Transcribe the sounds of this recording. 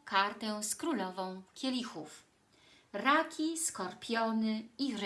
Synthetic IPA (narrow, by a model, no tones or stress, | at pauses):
kaɾt̪ɛ̃skɾulɔvɔ̃w̃kʲɛlʲixuf | ɾakʲiskɔɾpʲjɔnɘiɾ